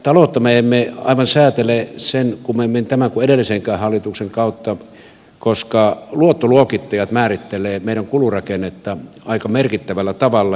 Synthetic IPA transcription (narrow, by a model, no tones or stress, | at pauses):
t̪ɑlot̪ːɑmeemmːeɑ̰iʋɑnsæːt̪elesenkumement̪æmæŋkueɾelːiseŋkæːhhɑlːˑit̪ukseŋkɑˑut̪ːɑ | koskɑluot̪ːoluokit̪ːɑjɑt̪mæːrit̪ːelˑeːmeˑiɾæŋkulurɑkenːˑet̪ːɑɑˑikɑmerkit̪ːæʋælːæt̪ɑʋɑlːɑ